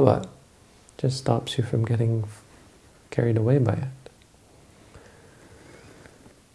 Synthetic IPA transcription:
wʌ̰t̚ | d͡ʒʌsstɑ̰psjufɹɔ̃mɡɛɾɪ̃ŋ | kʰɛɹidəweɪbaɪɪt̚

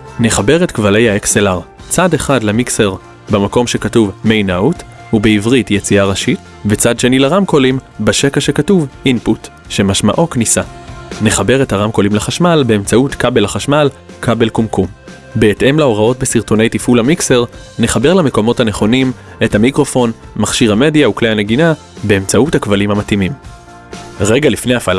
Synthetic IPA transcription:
ne̞χabe̞ʁetkvale̞jhaekselaʁ | t͡sade̞χadlemikse̞ʁ | bemako̞mʃe̞katuvmejnaut | hubeivʁitjet͡siaʁaʃit | bet͡sadʃe̞nilaʁamko̞limbaʃekaʃe̞katuvʔinput | ʃe̞maʃma̰ʔo̞knisane̞χabe̞ʁe̞thaʁamko̞limleχaʃmalbe̞emt͡sautkabelaχaʃmalkʰabe̞lkumkum | be̞ːtʔe̞mlao̞ʁao̞tbesiʁto̞ne̞jtifulamikse̞ʁ | neχabe̞ʁlame̞ko̞mo̞thane̞χo̞nim | e̞thamikʁo̞fo̞n | maχʃiʁhame̞djauklehane̞ɡina | be̞emt͡sautakvalimhamatimim | ʁeɡalifne̞jafal

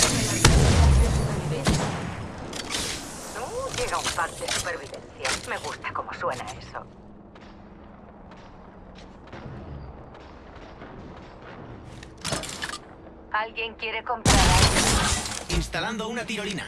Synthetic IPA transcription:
ad̪esupeɾβiβe | nuʝe̞ɣaumpakd̪e̞supe̞ɾβiðẽ̞nθjame̞ɣust̪ḁko̞mo̞swe̞na̰e̞̰so̰ | alɣje̞ŋkje̞ɾe̞ko̞mpɾaɾalɣeinst̪aland̪ounat̪iɾolina̰

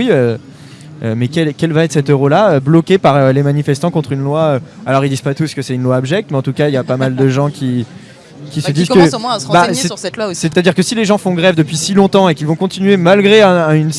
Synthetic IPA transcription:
wiø | ømɛkʲɛlkʲɛlvaɛt̪χsɛt̪øʁolaøblɔkʲepaʁølemanifɛst̪ɑ̃kɔ̃t̪χynlwaøalɔʁild̪iz̥pat̪uskəsɛt̪ynlwaɔbʒɛk̚t̪meɑ̃t̪ukailjapamald̪əʒɑ̃kʲʰi | kʲisəd̪izkmwɛ̃sbasɛt̪lwasɛt̪ad̪iʁkəsileʒɑ̃fɔ̃ɡʁɛvd̪əpɥisilɔ̃t̪ɑ̃ekʲilvɔ̃kɔ̃t̪inɥemalɡʁeɛ̃yns

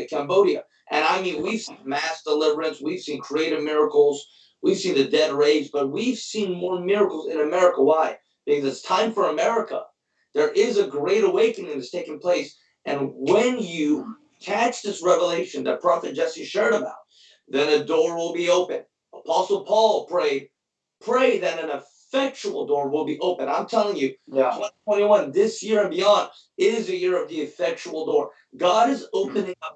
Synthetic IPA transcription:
ɨkʰæ̃mboʊɾiɨ̰ | ʔɨ̃ñaɪmĩnwiv̥sĩnmæsd̥əlɪvə˞ɨ̃nswiv̥sĩnkʰɹ̥ieɪɾɨvmɪɹəkl̩ˠz̥ | wiv̥sĩnðɨdɛd̚ɹeɪzb̥ʌt̚wiv̥sĩnmɔɹmɪɹɨkl̩ˠzɨ̃nɨmɛɹɨkəwaɪ | b̥ɨkʰʌzɨtstʰãɪ̃ɱfə˞əmɛɹɨkə̰ | ðə˞ʔɪzɨɡɹeɪɾəweɪkɨ̃nɪ̃ŋɨz̥tʰeɪkɪ̃ŋpʰl̥eɪs | ɨ̃nwɨ̃njɨ | tʰæt͡ʃðɪsɹɛvəleɪʃɨ̃nðɨ̰t̚pʰɹ̥ɑfɨt̚d͡ʒɛsɨʃɛɹɾɨbaʊt̪̚ | ðɨ̃nɨdɔɹwɪlˠbioʊpɨ̃n | əpʰɑsl̩ˠpʰɔlˠpʰɹ̥eɪd̚ | pʰɹ̥eɪðɨ̃ɾɨ̃nɨfɛk̚t͡ʃul̩ˠdɔɹwɪlˠbiʔoʊpɨ̃nã̰ɪ̃mtʰɛlˠɪ̃ŋjɨtʰwɛ̃ñitʰw̥ɛ̃ɾ̃iwʌ̃nðɪsjɪɹɨ̃nbiɑ̃nd | ɪɾɨzðɨjɪɹʌvðiɨfɛk̚t͡ʃul̩ˠdɔɹ | ɡɑɾɨzoʊpɨ̃nɪ̃ŋʌp̚

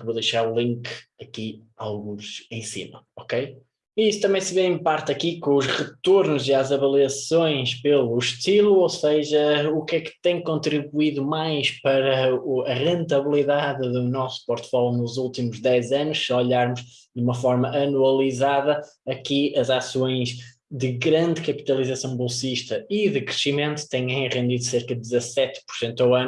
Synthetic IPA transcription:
kvoðejʃaɾũlˠĩŋkɐki | a̰lˠɣũʃẽj̃sḭmɐ̰ɔkej | iisu̥t̪ɐmẽj̃sɨβeɾĩmpaɾt̪ɐkikõuʃʁɨt̪oɾnuziazɐβɐlˠiɐsõj̃ʃpelˠuʃt̪ilˠuoseʒɐukɛkt̪ẽj̃kõnt̪ɾiβuiðumajʃpɐɾɐuɐʁẽnt̪ɐβlˠiðaððunɔsu̥pɔɾt̪fɔlˠnuzulˠt̪imuʒðɛzɐnuʃɔʎaɾmuʃ | d̪umɐfɔɾmɐʔɐnuɐlˠizaðɐ | ɐkiɐzasõj̃ʒ | ðɨɣɾɐ̃nd̪kɐpi̥t̪ɐlˠizɐsɐ̃w̃bulˠsiʃt̪ɐiðɨkɾɨʃimẽnt̪u̥t̪ẽj̃ẽj̃ʁẽnd̪iðuseɾkɐðd̪zɐsɛt̪puɾsẽnt̪awɐn

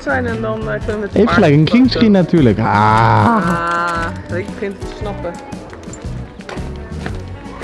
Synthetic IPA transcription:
tsɛjnɛndɔnkənəəteffχəlɛjkənkiŋskinatʰyːləka̰ | ɪkbəχɪntətəsnɑpə

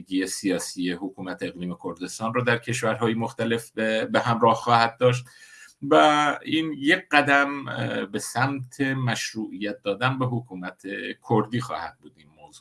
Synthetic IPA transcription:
ɡiːje̞sijɒːsiːjehokʰuːmæt̪ʰeeɣliːme̞kʰo̞ɾd̪e̞st̪ɒːnrɔːd̪æɾcʰe̞ʃvæɾɦɒːjemoxt̪æle̞fbeɦæmɾɒːhxɒːhæd̪̚d̪ɒːʃ̬t̪væiːnjeɢæd̪æmbe̞sæmt̪ʰe̞mæʃɾuːʔijæt̪̚d̪ɒːd̪ænbeɦokʰuːmæt̪ʰekʰoɾd̪iːxɒ̰ːhæd̪̚buːd̪iːnmoːzuː

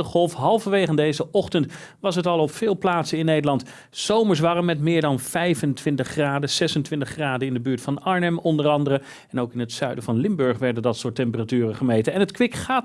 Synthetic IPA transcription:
əχɔlˠfɦɑlˠfɑʋejχəndejzəʔɔχtənt | ʋɑs̬ɦətɑlˠɔpfɪːlˠplaːtsəɪnːejdəlɑnt | z̥owməɹs̬ʋɑrəmɛtmɪːɹdɑnv̥ɛjvəntʋɪntəχraːdəz̥ɛsəntʋɪntəχraːdəɪndəbyːɹtfɑnɑɹnɛmɔndərɑndərə | ɛnowkɪnətsœɥdəvɑnlɪmbɵɹχʋɛɹdəndɑtsʊːɹtɛmpəratyːrəχəmejtəɛnɦətkʋɪkχaːt

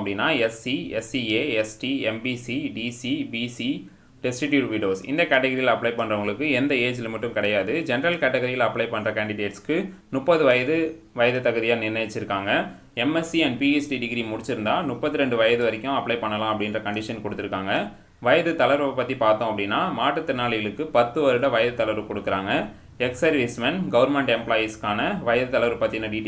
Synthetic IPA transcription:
pːɐɽɪnːaːɛsiɛsieːɛsʈiɛmbisiɖisibisi | ɖɛsʈɪʈjuːʈʋiɖjoːsɪ̰nd̪ɐkaːʈɐɣɐɾijlɐpːɭɐɪpɐɳːrɐʋɐɡɐɭɯkːɯɛnd̪ɐeːd͡ʒɪlmɐʈːɯmkɪɽɐjaːðɯd͡ʒɛnɐɾɐlkaːʈːɐɣɐɾijɐlɐpːɭɐɪpɐɳrɐkaːɳɖɪɖeːʈskɯnʊpːɐðɯʋɐjɐðɯ | ʋɐjɐðɯt̪ːɐɣɐðɪjaːnɪnːɐt͡ʃːɪɾɯkːaːŋɡɐ | ɛmɛsiɛnpiesʈiɖɪɡɪɾimʊɽɪt͡ʃːɪɾɯnd̪aːnʊpːɐt̪ːɯɾɛɳɖɯʋɐjɐðɯʋɐɾɪkːʊ̃ɐpːlɐɪpɐɳːɐlãːɐpːɐɽɪnrɐkɐɳɖɪʂɐnkɔɽɯt̪ːɪɾɯkːaːŋɡɐ | ʋɐjɐðɯt̪ɐlɐʋɐɾɐpːɐt̪ːipaːɾt̪õːɐpːɐɽɪnːaːmaːʈːɯt̪ːɪnːaːɭɪjɐɭɯkːɯpɐt̪ːɯʋɐɾɯɽɐʋɐjɐðɯt̪ːɐlɐʋɐɾkɔɽɯkːɪɾaːŋɡɐ | ɛksɐɾʋismɛnɡɐʋɐɾmɛɳʈɛmplaːjiskaːnɐʋɐjɐðɯt̪ɐlɐʋɐɾpɐt̪ːɪnːɐɖiːʈ

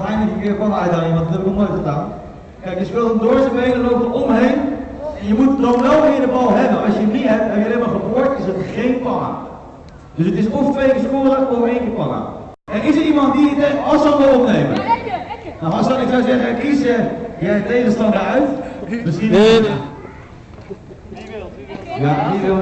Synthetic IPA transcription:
tɛjndləkəkɪːɹkɔnɛjdanimɑntdɔtɦɛbɪknɔlˠnojtχədaːn | kɛjkjəspɪlˠtəndoɹsəbejnəlowp̚təɔmɦejn | jəmutdownʋɛlˠʋɪːəɹdəbɑlˠɦɛbənɑsjənitɦɛptɛnjəlɛbəχəboɹtɪsətχejnpɑna̰ | døsətɪsɔftʋejkɪɹspoːləɔfəejnkɪːɹpɑna̰ | ɛnɪsəɹimɑntdiədɛɑsɑlˠʋəlɔpnejmə̰n | naɑskɑnɪksɔwzɛχəɛkisəjɛjtejχənstɑndəœɥtmɪsi | jaiɪ

